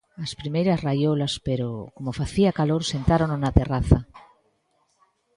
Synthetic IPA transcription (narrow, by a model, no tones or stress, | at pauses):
ɐspɾimejɾɐsrajolaspeɾokomofaθiakaloɾsent̪aɾononat̪eraθɐ